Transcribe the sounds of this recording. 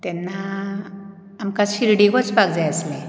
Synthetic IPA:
t̪ɛnːa | mkaɕiɾɽiɡot͡sbaɡd͡zajaslẽ

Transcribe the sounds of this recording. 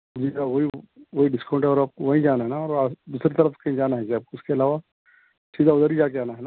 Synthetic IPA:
d͡ʒiaʋoɦiʋoɦiɖɪskãʊ̃ɳʈɦɛɔːɾaːp̚koʋɐɦĩd͡ʒaːnaɦɛnaɔːɾad̪uːsɾet̪ɐɾəfkɐɦĩd͡ʒaːnaɦɛd͡ʒeaːb̚koʊskeɐlaːʋa | siːd̪ʱaʊd̪əɾid͡ʒaːkeaːnaɦɛna

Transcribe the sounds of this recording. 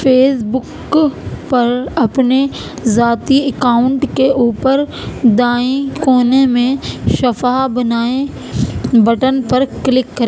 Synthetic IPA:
fʰeːsbʊk | pɐɾɐpne | zaːt̪iɐkaːʊ̃ɳʈkeʔuːpəɾ | d̪aːĩkoːnemẽʃɐfaːbɐnaːe | bɐʈənpɐɾklɪkːɐɾeː

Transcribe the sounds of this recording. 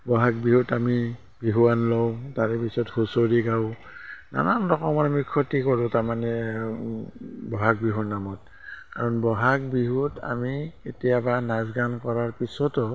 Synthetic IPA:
bɔɦak̚biɦutami | biɦuwanlɔtaɹɛpisɔthusoɹiɡaʊ | na̰namdɔkɔmanmikʰːɔtikɔɹʊtaɹmanɛ | bɔɦak̚biɦunamɔt̚ | kaɹɔnbɔɦak̚biɦuta̰miketijabanazɡankɔɹaɹpisɔtɔ

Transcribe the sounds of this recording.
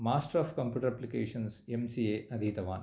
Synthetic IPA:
maːsʈɐɾaːfkɐmpjuːʈɐɾɐplikeːʂɐnsemsieːɐd̪ʱit̪ɐʋaːn

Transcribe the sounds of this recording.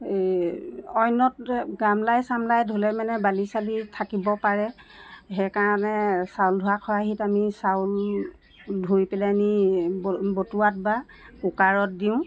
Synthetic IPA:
ɔjnɔt̚ɡamlajsamlajdʱolɛmanɛbalisalitʰakibɔpaɹɛ | ɦɛkaɹɔnɛsawldʱuakʰɔaɦitamisawl | dʱujpɛlɛnibbotuat̚ba | ʊkaɹɔt̚diʊ̃

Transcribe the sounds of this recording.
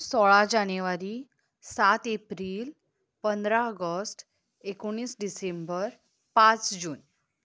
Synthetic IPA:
sɔɭad͡ʑanjeʋaɾiː | sat̪epɾiːl | pənd̪ɾaəɡəsʈ | ekoɳ̃ɽ̃iːsɖisembəɾ | pat͡sd͡ʑuːn

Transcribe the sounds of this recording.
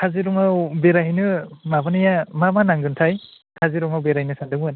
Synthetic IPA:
kʰaziɾɔŋawbeɾaɦinɯmabanajamamanaŋɡɯntʰaj | kʰaziɾɔŋawbeɾajnɯsandɯŋbɯn

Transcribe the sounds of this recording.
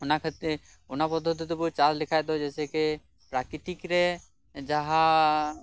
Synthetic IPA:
ʊnakʰət̪ | ʊnapɔd̪ʱːɔt̪it̪ɔbut͡ʃallɪkʰajd̪ɔd͡ʒɛseke | pɾakɾit̪ikɾe | d͡ʒaɦa

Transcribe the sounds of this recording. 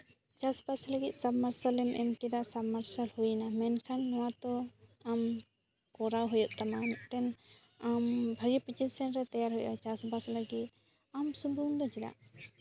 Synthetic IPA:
t͡ʃasbasləɡit̪̚ˀsabmaɾsəlɛmʔɛmkid̪aʔsabmaɾsəlhujnamɛnkʰanːɔwat̪ɔam | kɔɾawɦujuʔ̪̚ˀt̪amaniʔʈɛn | ambʱaɡipit͡ʃit̪̚sɛnɾɛt̪ajaɾɦujʔat͡ʃasbasləɡit̪̚ | amsubund̪ɔt͡ʃɛd̪a̰ʔ

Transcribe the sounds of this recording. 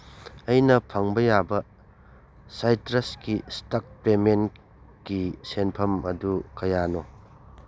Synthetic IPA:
ɐjnɐpʰɐŋbɐjabɐ | sajtɾɐskistak̚pemen | kisenpʰɐmɐ̰dukɐjano

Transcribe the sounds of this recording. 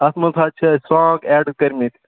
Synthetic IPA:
ɐsmɐt̪ʰaːt͡ʃʰɐsɔ̃ːɡɛːɖkɐɾmit̪ʲʰ

